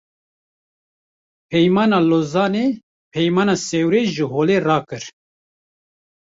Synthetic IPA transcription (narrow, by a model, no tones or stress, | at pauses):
pʰɛjmɑːnɑːloːzɑːneː | pʰɛjmɑːnaːsɛwɾeːʒɨɦoːleːrɑːkɨɾ